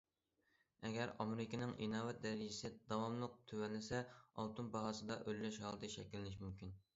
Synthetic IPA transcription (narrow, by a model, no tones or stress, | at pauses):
ɛɡʲɛɾɑmeɾɪkʲinɪŋʔinɑːvɛt̪̚d̪ɛɾɪd͡ʒɪsɪd̪ɑwɑmlˠəq̚t̪ʰøwɛnlɪsɛɑ̰lˠt̪unbɑɦɑːsɨd̪ɑʔølːɛʃhɑlˠɨt̪ʰɨʃɛ̰kʲilːɪnɪʃmymkʲin